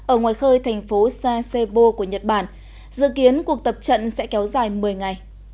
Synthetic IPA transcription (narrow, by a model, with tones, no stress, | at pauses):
ʔəː˧˩ŋwaː˨˩jxəː˧jt̪ʰɛ˨˩jŋ̟fo˨˦saː˧se˧ɓo˧ku˧˩əɲə˨˩t̚ɓaː˧˩n | zɨ̰˧˨ki˨˦ənku˨˩ək̚t̪ə˨˩p̚t͡ɕə̰˧˨nsɛ̰˧˥kɛ˨˦wzaː˨˩jmɨ˨˩əjŋa˨˩j